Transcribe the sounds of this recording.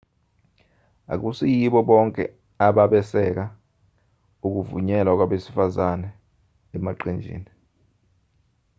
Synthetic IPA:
a̰k̬usijiɓɔɓɔŋkʼɛ | aɓaɓɛsɛk̬a | uk̬uvuɲɛlak̬waɓesi̥fazanɛ | ɛmaǃend͡ʒʱḭːni

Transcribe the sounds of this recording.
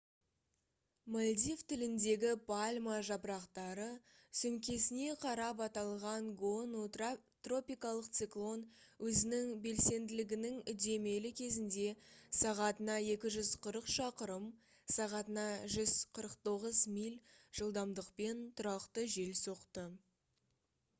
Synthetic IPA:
molʲd̪ivt̪ʰɪlɪnd̪e̞ɡʲɪpʰalʲmaʒɑpɾɑqt̪ɑɾə | sʏŋkʲʰe̞sɪne̞qʰɑɾɑpɑt̪ɑlˠʁɑɴɡonut̪ro̞pʲijkɑlˠəqt̪sɨklˠo̞nwɵzɪnɪŋbe̞lse̞nd̪ɪlɪɡʲɪnɪŋʏd̪e̞me̞lɪkʲʰe̞zɪnd̪e̞sɑʁɑt̪ənɑje̞kʲɪʒʏzqʰəɾəqʃɑqəɾəm | sɑʁɑt̪ənɑʒʏz̥qʰəɾəqt̪o̞ʁəzmijlʲʒ̥əlˠd̪ɑmd̪əqpe̞nt̪ʰʊɾɑqt̪əʒe̞lso̞qt̪ə

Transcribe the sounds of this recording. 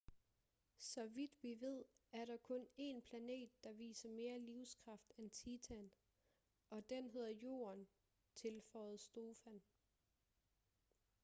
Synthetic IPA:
sɒ̽ʋid̥ʋiʋe̝ð̞̰ˠæɐɾ̥ɑ̈kʰɔ̽ne̝npʰlæne̝̰ːd̥̚ːɑ̈ʋḭːsɐme̝ːɐliʊskʰʁɑ̈fd̥ent͡sʰiːt͡sʰæn | ʔɒ̽d̥enɦe̝ð̞̰ˠɐjo̝̰ːɐn | t͡sʰe̝lfɒːð̞̩ˠsd̥o̝ːfæn

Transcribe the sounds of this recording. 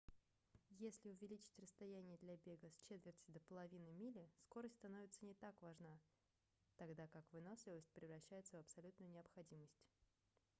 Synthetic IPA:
jesʲlʲɪʊvʲɪlʲit͡ɕɪ̥tʲrəst̪ɐjænʲɪjəd̪lʲɐbʲe̞ɡəst͡ɕet̪vʲɪrtʲɪd̪əpəlˠɐvʲinɨmʲilʲɪsko̞ɾəsʲtʲst̪ɐno̞vʲɪt̪sənʲɪt̪akvaʐna | t̪ɐɡd̪akakvɨnosʲɪlˠəsʲt̚ʲpɾʲɪvɾɐɕːæjɪt̪səvɐpsɐlʲut̪nʊjʊnʲɪɐpxɐdʲiməsʲtʲ

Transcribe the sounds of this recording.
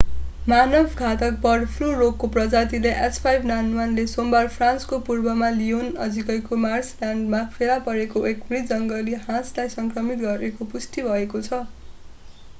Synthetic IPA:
manʌbʱɡʱat̪ʌk̚bʌɽpʰlurokːoprʌd͡zat̪ileʔespʰajbnanwanlesombarpʰrãnskopurbʌmalionʌ̰d͡zikʌjkomarsljaɳɖmapʰelapʌɾekoʔekbɽid͡zʌŋɡʌliɦãslajsʌŋkrʌmit̪̚ɡʌɾekopust̪ibʱʌekot͡sʰʌ

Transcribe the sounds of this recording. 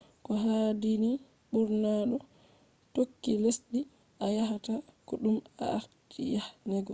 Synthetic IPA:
kɔɦadini | ɓuɾnaɗɔ | tokːilesɗi | ʔajaɦatakɔɗuma̰aɾtʰijahnɛɡɔ

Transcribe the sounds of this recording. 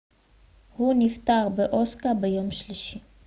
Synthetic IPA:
hunift̪aʁbeʔo̞skabejo̞mʃliʃi

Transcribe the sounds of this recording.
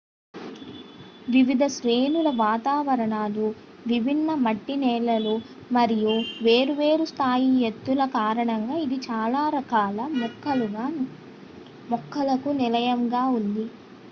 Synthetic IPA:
ʋiʋid̪ʱɐʃɾeːnulɐʋaːt̪aːʋɐɾɐɳaːlu | ʋibʱinːɐmɐʈːinɛːlɐlu | mɐɾijuʋe̞ːɾuʋe̞ːɾust̪ʰaːjiɦet̪ːulɐkaːɾɐɳɐŋɡaːid̪it͡ʃaːlaːɾɐkaːlɐmɔkːɐluɡaː | mɔkʰːɐlɐkunilɐjɐmɡaːund̪i

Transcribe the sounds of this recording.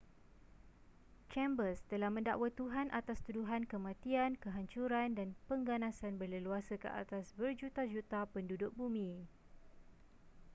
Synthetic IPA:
t͡ʃɛ̃mbəst̪əlahmə̃ndaʔwat̪uɦanʔat̪ast̪uduɦankəmãt̪iankəɦaɲt͡ʃuɾandanpəŋɡanãsanbərləluasəkə̰ʔa̰t̪asbərd͡ʒut̪ad͡ʒut̪apəndudʊk̚bumĩ

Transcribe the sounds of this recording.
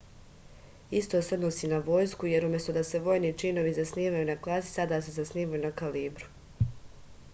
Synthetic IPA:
ist̪o̞seod̪nosiːnaʋo̞ːjskuje̞ɾumjest̪od̪aseʋo̞ːjnit͡ʃino̞ʋizasniːʋajunaklˠazi̥sad̪aːse̞zasniːmajunakaliːbɾu̥

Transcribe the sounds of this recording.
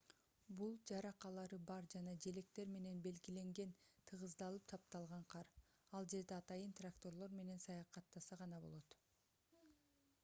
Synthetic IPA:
bulˠd͡ʒɑɾɑqɑlˠɑɾɯbɑɾd͡ʒɑnɑd͡ʒe̞le̞kt̪e̞ɾme̞ne̞nbe̞lɡile̞ŋɡe̞nt̪ʰɯʁɯzd̪ɑlˠɯp̚t̪ʰɑp̚t̪ɑlˠʁɑɴqʰɑɾ | ɑlˠd͡ʒe̞ɾd̪e̞ɑt̪ɑjɯnt̪rakt̪o̞ɾlˠo̞ɾme̞ne̞nsɑjɑqɑt̪ːɑsɑʁɑnɑbo̞̰lˠot̪

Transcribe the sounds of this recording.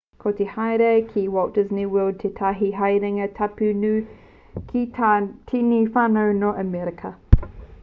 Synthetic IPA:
kʰotehajɾekʰiwaw̚d̥ɪzniwɜld̚tʰetʰaɦiɦajɾɪŋətʰapʉnʉ | kʰitʰinifanəwnoʔəmɛɾɪkʰə

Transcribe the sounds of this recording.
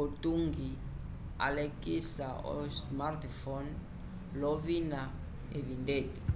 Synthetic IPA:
otuŋɡi | a̰lekʼisaɔ̰smartfɔn | lɔvina | evindeːti̥

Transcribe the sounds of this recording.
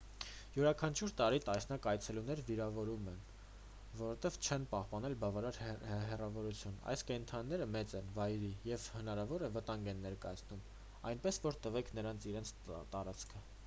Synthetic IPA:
juɾɑkʰɑnt͡ʃʰuɾt̪ɑɾit̪ɑsnɑkɑjt͡sʰɛlunɛɾviɾɑvɔɾumɛn | vɔɾɔt̪ɛv̥t͡ʃʰɛnpɑhpɑnɛlbɑvɑɾɑɾɦɛrɑvɔɾut͡sʰjunɑ̰jskɛnt̪ʰɑnːɛɾəmɛt͡sɛnvɑjɾijɛvhənɑɾɑvɔɾɛvət̪ɑŋɡɛnːɛɾkɑjɑt͡sʰnum | ɑjnpɛsvɔɾt̪əvɛkʰnəɾɑnt͡sʰiɾɛnt͡sʰt̪ɑɾɑt͡skʰə

